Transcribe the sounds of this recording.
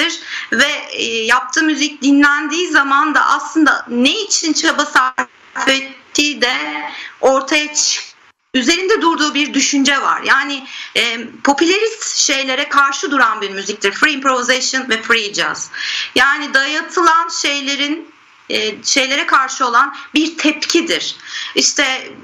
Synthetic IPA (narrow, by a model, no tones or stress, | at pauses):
iɾ̥vɛjap̚t̪ʰɯːmyzic̚d̪inlʲænd̪iːzamand̪a̰ʔa̰slˠɯnd̪a̰neit͡ʃʰint͡ʃʰabasaɾ | fɛt̪ʰːiːd̪ɛ | o̞ɾt̪ʰajat͡ʃʰɯ̥k | yze̞ɾind̪ɛd̪uɾd̪uːbiɾd̪yʃynd͡ʒɛva̰ɾjaːnɪɛpʰo̞pʰylʲaɾist̪ʃe̞jlʲe̞ɾɛkʰaɾʃɯd̪uɾanbiɾmyzic̚t̪ʰiɾfɾiːmpɾovizeʃɯnvɛfɾid͡ʒa̰z̥jaːnid̪ajat̪ʰɯlˠanʃe̞jlʲeɾinː | ʃe̞jlʲe̞ɾɛkʰaɾʃɯo̞lˠanbiɾt̪ʰɛpcʰid̪iɾ̥iʃt̪ʰɛ